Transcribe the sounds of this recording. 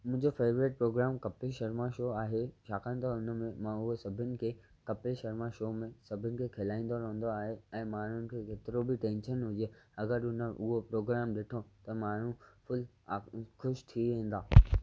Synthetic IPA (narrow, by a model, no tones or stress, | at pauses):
mʊ̃ɦɪ̃ɲd͡ʑofeːʋɾɪʈ̚pɾoːɡɾaːmkɐpɪlʃɐɾmaʃoːaːɦeʃaːkə̃nt̪ɐʊnəmẽmãʊɦosɐbʱɪnɪ̆kʰe | kɐpɪlʃɐɾmaʃoːmẽsɐbʱɪnɪ̆kʰekʰɪlaːĩːn̆d̪oɾɐɦə̃n̆d̪oaːɦeɛ̃ːmaːɳ̤ʊnɪ̆kʰekeːt̪ɪɾobʱɪʈẽːnʃənɦʊd͡ʑeɐɡəɾʊnəʔʊɦopɾoːɡɾaːmɗɪʈʰot̪ɐmaːɳ̤ũfʊlː | xʊʃt̪ʰiʋẽːn̆d̪aː